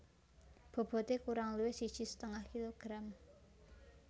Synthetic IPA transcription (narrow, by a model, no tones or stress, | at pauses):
b̥o̤b̥ɔ̤t̪ekuɾaŋluwɪhsid̥ʒ̥i̤sə̥t̪əŋahkiloɡ̥ɾam